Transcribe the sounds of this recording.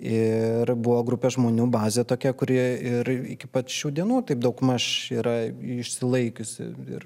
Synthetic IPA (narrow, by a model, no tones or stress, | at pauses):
ɪɾbʊʋoːɡɾʊpʲɛʒmoːnʲuːbɑːzʲeːt̪oːkʲɛkʊɾʲiɛɪɾɪkʲɪpɐʃʲuːd̪ʲiɛnuːt̪ɐɪp̚d̪ɐʊkmɐʃiːɾɐɪʃʲsʲɪlˠɐɪkʲʊsʲɪ̰ɪ̰r